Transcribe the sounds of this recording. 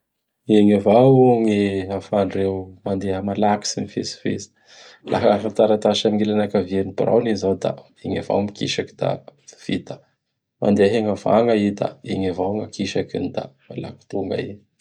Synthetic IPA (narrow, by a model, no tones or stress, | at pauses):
eɲavawuŋiafaɳɖ͡ʐewmand̪eəmalaki̥sinifḛsi̥fezi̥ | lʔa̰ɦaɾat̪aɾat̪aʃamiŋelanakavenipiɾa̰wnizawd̪a̰ | eɲa̰va̰wmikḭʃaki̥d̪a̰v̥it̪ə̥ | mʔa̰nd̪eaɦeŋava̰ŋɡaid̪a̰eɲavawŋakiʃakinid̪a̰mala̰ki̥t̪uŋɡa̰i